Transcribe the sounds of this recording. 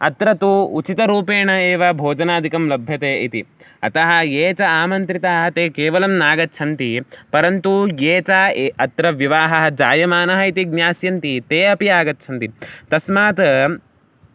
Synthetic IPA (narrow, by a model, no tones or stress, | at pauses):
ɐt̪ɾɐt̪uut͡ʃit̪ɐɾuːpeːɳɐeːʋɐbʱoːd͡ʒɐnaːd̪ʱikɐmlɐbʱjɐt̪eːit̪i | ɐt̪ɐɦɐjeːt͡ʃɐaːmɐnt̪ɾit̪ɐɦɐt̪eːkeːʋɐlɐmnaːɡɐt̪ːt͡ʃʰɐnt̪ipɐɾɐnt̪ujeːt͡ʃaɐt̪ɾɐʋjiʋaːɦɐɦɐd͡ʒaːjɐmaːnɐɦɐit̪iɡnjaːsjɐnt̪it̪eːɐpiaːɡɐt̪̚t͡ʃʰɐnt̪it̪ɐsmaːt̪